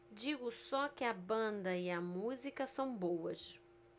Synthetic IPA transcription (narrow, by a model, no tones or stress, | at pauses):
d͡ʒiɡʊsɔkɪɐbɐ̃nd̪ɐɪɐmuzikɐsɐ̃w̃bowɐs